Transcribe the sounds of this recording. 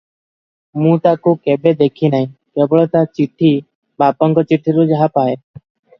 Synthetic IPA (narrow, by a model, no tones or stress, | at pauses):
mũːt̪aːkuːkeːbeːd̪eːkʰiːnaɦĩːkeːbɭoːt̪aːt͡ʃɪʈʰːiː | baːpɔŋkɔt͡ʃiʈʰːiːɾoːd͡ʒaɦapaːɦeː